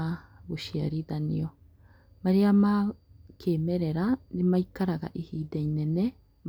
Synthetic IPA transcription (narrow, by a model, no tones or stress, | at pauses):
aβuʃiaɾiðanḭo | maɾiama | kʰeːmeɾeɾanimaikaɾaɡa̰ʔihiːdeinene | m